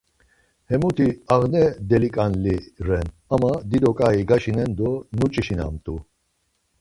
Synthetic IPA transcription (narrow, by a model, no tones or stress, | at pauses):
hɛmut̪ʰiaɣnɛd̪ɛlikʼanliɾɛn | amad̪id̪ɔkʼaiɡaʃinɛnd̪ɔnut͡ʃʼiʃina̰mt̪ʼu